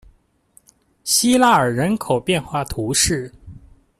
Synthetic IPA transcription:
ɕi˥la˥˩ə˞˨˩ɻə˧˥nkʰo˨˩ʊpjɛ˥˧nxwa˥˩t̪ʰu˧˥ʂɻ̩˥˩

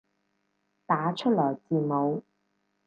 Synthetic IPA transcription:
t̪aː˨˧˥t͡ʃʰɵ˥t̚lɔː˨˩jt͡siː˨˩mo˨˧w

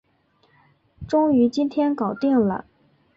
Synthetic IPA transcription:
ʈ͡ʂʊ˥ŋy˧˥t͡ɕi˥nt̪ʰjɛ˥nkɑ˨˩ʊt̪i˥˩ŋlə̰˩

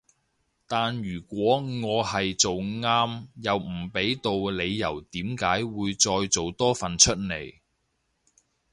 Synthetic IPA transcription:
t̪aː˨nɥyː˨˩kʷɔː˨˥ŋɔː˨˧hɐ˨jt͡so˨wŋaː˥mjɐ˨wm̩˨˩pe˨˥jt̪o˨wle˨˧jːɐ˨˩wt̪iː˨˥mkaː˨˥jwuː˨˧jt͡sɔː˧jt͡so˨wt̪ɔː˥fɐ˨nt͡ʃʰɵ˥t̚ne˨˩j

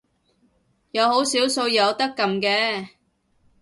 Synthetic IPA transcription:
jɐ˨˧who˨˥wsiː˨˥wso˧wjɐ˨˧wt̪ɐ˥kːɐ˨mkɛː˧

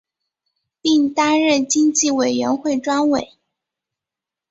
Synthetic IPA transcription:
pi˥˩ŋt̪a˥nɻə˥˩t͡ɕi˥ŋt͡ɕi˥˩we˨˩ɪɥɛ˧˥nxwe˥˩ɪʈ͡ʂwa˥nwe˨˩˦ɪ

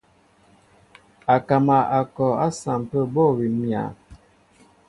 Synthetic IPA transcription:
a˨ka˨ma˨a˨kɔ˨a˦sa˨m˨pə˦bɔ˦˨wi˨mja̰˨

